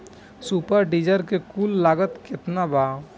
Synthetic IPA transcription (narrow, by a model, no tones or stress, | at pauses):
supəɾɖiːd͡ʒəɾkekuːlːaːɡət̪kɪt̪nabaː